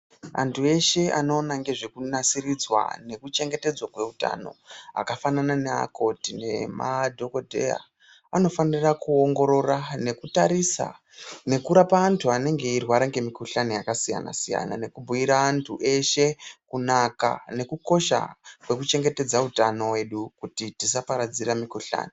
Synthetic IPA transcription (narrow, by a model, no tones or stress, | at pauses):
a̰ntʰue̞ʃe̞ano̞ːnaŋɡe̞ʐe̞kunasiɾid͡zwa̰ne̞kut͡ʃe̞ŋɡe̞te̞d͡zwakwe̞uta̰no̞̰a̰kafananane̞a̰kʰo̞tine̞madʱo̞ko̞dʱḛja̰ | ano̞fanirakuoŋɡo̞ɾo̞rane̞kutaɾisa̰ | ne̞kuɾapaːntʰuane̞ŋɡe̞irwaɾaŋɡe̞mikuɬanijakasija̰na̰sija̰na̰ne̞kubʱuiɾaːntʰuʔe̞ʃe̞kunaka̰ne̞kuko̞ʃa̰kwe̞kut͡ʃe̞ŋɡe̞te̞d͡zautano̞we̞ɗukutitisapaɾad͡ziɾamikuɬa̰ːni